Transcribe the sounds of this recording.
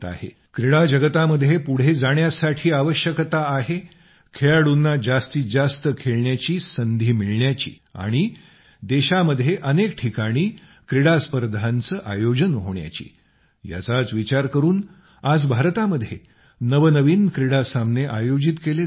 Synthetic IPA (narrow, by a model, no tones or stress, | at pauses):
t̪a̰ɦḛ | kɾiɽad͡ʑəɡət̪aməd̪ʱjepuɽ̤ed͡zaɽ̃jasaʈʰiːaʋəɕjəkt̪aːɦe | kʰeɭaɽunːad͡zast̪iːd͡zast̪əkʰeɭɳjat͡ɕiːsənd̪ʱiːmiɭɳjat͡ɕḭː | a̰ɽ̃i | d̪eɕaməd̪ʱːjeʔənekʈʰikaɽ̃iː | kɾiɽaspəɾd̪ʱant͡səːʔa̰jod͡ʑənɦoɳja̰t͡ɕḭː | ja̰t͡sat͡sʋit͡ɕaɾkəɾuːn | ad͡zbʱaɾt̪aməd̪ʱje | nəʋənəʋiːnkɾiɽasamneʔajod͡ʑit̪kele